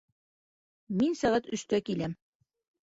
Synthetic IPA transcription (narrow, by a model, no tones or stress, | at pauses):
minsæʁæt̪ɵ̆ʃt̪ækilæm